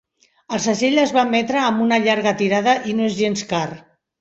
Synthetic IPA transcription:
əlˠsaʃeʎəzβamːɛt̪ɾəːmbunaʎaɾɣət̪iɾaðəʔinoezʒenskar

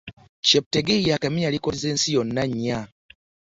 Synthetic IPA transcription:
ceβuteɡeijakamiɲalikozeːnsijonːaɲːa

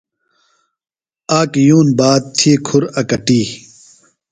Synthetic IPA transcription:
aːkjuːnbaːt̪̚t̪ʰikʰuɾɐkɐʈiː

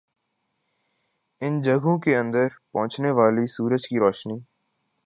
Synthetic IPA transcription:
ɪnd͡ʒəɡʱõkeə̃nd̪əɾpɐ̃ʊ̃t͡ʃneʋaːlisuːɾəd͡ʒkiːɾɔːʃniː

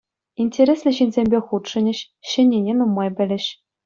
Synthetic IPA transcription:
inʲtʲeɾʲesʲlʲɘ̆ɕinʲzʲemʲbʲeχut̪ʂɤ̆nʲɘ̆ɕ | ɕɘ̆nʲːenʲenumːɑjbʲɘ̆lʲɘ̆ɕ

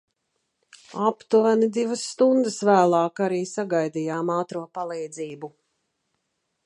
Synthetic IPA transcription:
apt̪uvanid̪ivasːt̪und̪əsvæːlˠɑːkaɾiːsaɡajd̪ijaːmɑːt̪ɾuɔpalˠɛjd̪ziːbu

